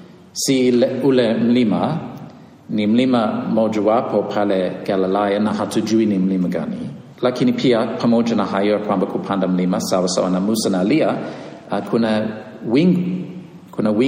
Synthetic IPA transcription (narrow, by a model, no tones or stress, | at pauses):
silulemlimə | nimliməmod͡ʒuwapʰopʰɛleɡ̥ɛləlajənahatʰud͡ʒuinimliməɡa̰nḭ | lakʰinipʰiəpʰəmod͡ʒənaɦajoəkʰw̥ambəkʰupʰandəmliməsawəso̰ʔənəmusənaliə | əkʰunə | wi | kʰunəwi